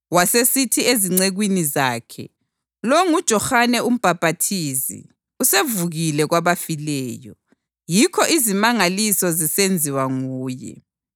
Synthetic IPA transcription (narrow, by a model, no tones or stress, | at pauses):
wasesitʰieziŋ͡ǀeɣwinizaːkʰɛ̰ | loŋud̥ʒ̥ʱɔxanɛum̩b̥ʱapatʰizḭ | usevuɣilɛɣwaβafilɛːjɔ̰ | jikʰɔʔizimaŋalisɔzisend͡zʱiwaŋuːjɛ̰